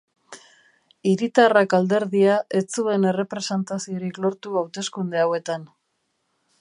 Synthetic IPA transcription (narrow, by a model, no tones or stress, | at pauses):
iɾit̪arakald̪e̞ɾðiaʔe̞t͡sue̞ne̞re̞pɾe̞se̞nt̪asio̞ɾiklo̞ɾt̪uawt̪e̞skund̪eawe̞t̪an